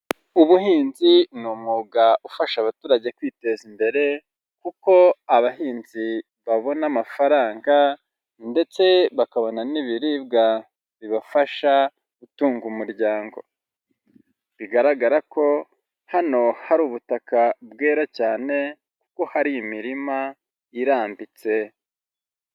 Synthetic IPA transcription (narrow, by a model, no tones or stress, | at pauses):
uβuhiːnzinumuːɡaufaʃaβatuːɾaɟe̞kwiːte̞zimbe̞ɾe̞ | kuko̞aβahiːnzi | βaβo̞namafaɾaːŋɡa | nde̞t͡se̞βakaβo̞naniβiɾib̚ɡa | βiβafaʃa | ɡutuːŋɡumuɾɟaːŋɡo̞̰ | βiɡaɾaɡaɾako̞ | hano̞haɾuːβutakab̚ɡeːɾacaːne̞ | ku̥ko̞haɾiimiɾima | iɾaːmbit͡se̞